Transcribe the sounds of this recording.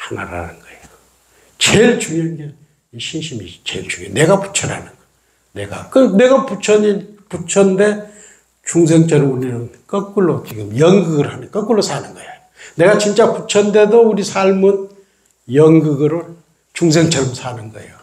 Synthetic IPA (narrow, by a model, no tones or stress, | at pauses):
hana̰ɾa̰nɯnɡʌejo | t͡ɕelt͡ɕuŋʌnɡe | iɕʰinɕʰimit͡ɕeɭt͡ɕuŋene̞ɡapu̥t͡ɕʰʌɾa̰nɯnɡʌ | ne̞̰ɡa̰kɯne̞ɡaput͡ɕʰʌɲiput͡ɕʰʌnde̞ | t͡ɕuŋs̬ʰeŋt͡ɕʌɾɯmuniɾɯnkʌk͈ɯɭːot͡ɕiɡɯmjʌŋɡɯɡɯɾhanɯkʌk͈ɯɭːosʰanɯnɡʌjeojone̞ɡat͡ɕint͡ɕ͈aput͡ɕʰʌnde̞douɾisʰaɭmɯn | jʌŋɡɯɡɯɾo | t͡ɕuŋs̬ʰeŋt͡ɕʰʌɾɯmsʰanɯnɡʌḛjo